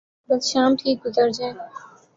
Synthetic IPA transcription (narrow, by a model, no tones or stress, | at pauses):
bəsʃaːmʈʰiːk̚ɡʊzəɾd͡ʒãẽ